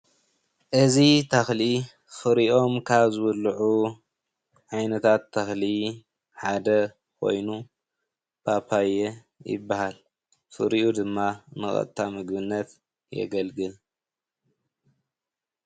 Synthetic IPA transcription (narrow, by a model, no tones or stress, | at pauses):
ʔɨzit̪ʰɐxli | fɨɾiʔo̞mkʰaβzɨwɨlːʕu | ʕajnɐt̪ʰat̪ʰːɐxli | ħad̪ɐ | kʰo̞̰jnu | b̥apʰajɛ | jɪ̰bːahal | fɨ̰ɾiʔud̪ɨmːanɨxʼɐ̰t̪t̪ʰːamɨɡbɨnːɐt̪ | jɛ̰ɡɐlɡɨl